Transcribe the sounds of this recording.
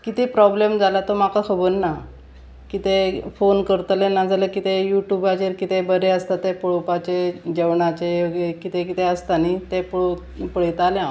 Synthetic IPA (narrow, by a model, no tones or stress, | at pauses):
kit̪epɾɔblemd͡zalat̪omakakʰəbəɾna | kit̪efonkəɾt̪lenad͡zalekit̪ejuʈjubat͡ɕeɾkit̪ebəɾeəst̪at̪ːepɔɭopat͡ɕed͡ʑeʋɳat͡ɕeɡekit̪ekit̪eəst̪anit̪ep | pəɭet̪aljã